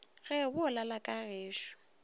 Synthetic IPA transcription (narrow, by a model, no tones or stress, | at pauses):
ɣɛbʊlalakʼareːʃʊ̥